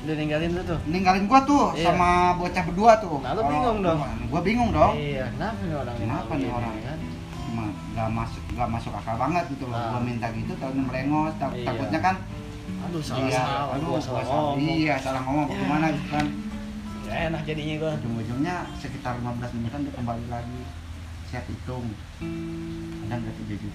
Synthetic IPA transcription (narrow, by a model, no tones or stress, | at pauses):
daniŋɡalɪnt̪ut̪uniŋɡalɪnɡuat̪ʊsamabot͡ʃapəduat̪ʊlɾaŋʊŋdɔnɡuabiŋʊŋdɔŋikənapanikənapanioɾaŋ | ma | ɡamasʊk̚ɡuamasʊkakabaŋət̪̚ɡit̪ulɔhɡuamint̪aɡit̪ut̪anaməleŋɔst̪at̪abʊt̪̚ɲakan | iaanuuasijasalamomɔŋbakumanaɡit̪ukan | anak̚d͡ʒadiɲaɡuad͡ʒumbud͡ʒʊmɲasəkit̪arlimabəlaslimat̪andiakəmbalilaɡi | siat̪it̪ʊŋ | adaŋɡat̪ibid͡ʒi